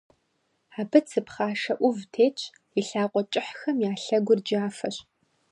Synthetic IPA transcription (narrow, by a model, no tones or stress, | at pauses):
aːbɨt͡sʰɨpχaːʂɐʔʷʊvtʰeːt͡ʃʼ | iɬaːqʷʼɔt͡ʃʼɪħxɐmjaːɬɐɡʷʊrd͡ʒaːfɐɕ